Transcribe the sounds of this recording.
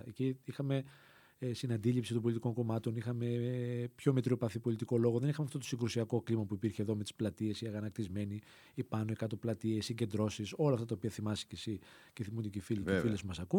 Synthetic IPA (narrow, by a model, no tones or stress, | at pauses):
eciixɐme | st̪inɐnd̪ilipsit̪ombolit̪iko̞ŋko̞mɐt̪o̞nixɐmepço̞met̪ɾiopɐθipo̞lit̪iko̞lo̞ɣo̞ðe̞nixɐmeɐft̪o̞t̪osiŋɡɾusiɐko̞klimɐpuipiɾçeðo̞met̪i̥splɐt̪ie̞siɐɣɐnɐk̚t̪izme̞ni | ipɐnoikɐt̪o̞plɐt̪iesiɲɟe̞nd̪ɾo̞siso̞lɐft̪ɐt̪ɐopiɐθimɐsi̥cesi | ceθimund̪icifiliefilesumɐsɐku